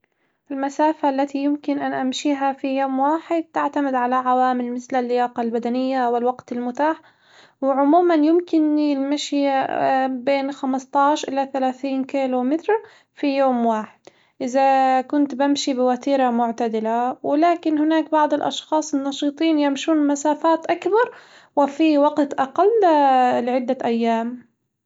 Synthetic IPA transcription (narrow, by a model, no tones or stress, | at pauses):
ʔɪlmasaːfaʔlːat̪ijɪmkɪnʔanʔamʃiːɦafijoːmwaːħɪd̪̚t̪aʕt̪amɪd̪ʕalaʕawaːmɪlmɪθlalːɪjaːqɑlbad̪anɪjːawɪlwaɡt̪ɪlmʊt̪aːħ | wɪʕʊmuːmanjɪmkɪnilmaʃi | beːnxamɑst̪ˤɑːʃʔɪlaθalaːθiːnkiːlomɪt̪ɾ | fijoːmwaːħɪd̪ | ʔɪzakʊnt̪bamʃibɪwat̪iːɾamʊʕt̪ad̪ɪlawɪlaːkɪnhɪnaːkbɑʕd̪ˤɪlʔɑ̰ʃxɑːsˤɪnːɑʃiːt̪ˤiːnjamʃuːnmasaːfaːt̪ʔakbɑɾˤ | wɪfiwaɡt̪ʔɑqalːlɪʕɪd̪ːaʔajːaːm